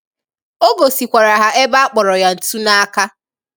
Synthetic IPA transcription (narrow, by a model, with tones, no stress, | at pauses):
o˦ɡo˨si˨kʷa˨ɾa˨ɦa˦ʔe˦ba˦a˦k͡pɔ˨ɾɔ˨ja˨n̩˨tu˦na˦a˦ka˦